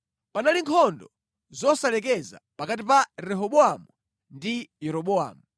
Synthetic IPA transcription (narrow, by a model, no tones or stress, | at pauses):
panaliŋkʰɔndɔ | zɔsalɛk̬ɛza̰pakat̬ipaɾɛɦɔɓɔamu | ndijɛɾɔɓɔa̰ːmu